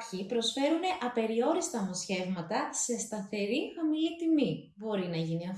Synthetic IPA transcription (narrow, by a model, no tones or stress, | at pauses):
çipɾo̞sfe̞ɾune̞ʔɐpe̞ɾio̞ɾist̪ɐmosçe̞vmɐt̪ɐse̞st̪ɐθe̞ɾixɐmilit̪imi | bo̞ɾinɐʝiniɐf